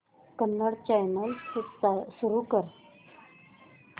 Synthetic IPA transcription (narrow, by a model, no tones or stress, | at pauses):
kənːəɽt͡ɕajnəlusuɾukəɾ